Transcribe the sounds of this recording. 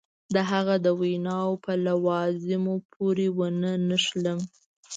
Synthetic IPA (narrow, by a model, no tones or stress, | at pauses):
d̪əɦaɣad̪əwajnɑwpəlawɑzɪmopʰoɾewənənəʃləm